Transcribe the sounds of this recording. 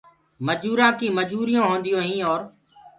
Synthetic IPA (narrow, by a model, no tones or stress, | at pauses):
məd͡ʒuːɾãːkĩːməd͡ʒuːɾijõːɦoːnd̪ijõːɦĩːɔːɾ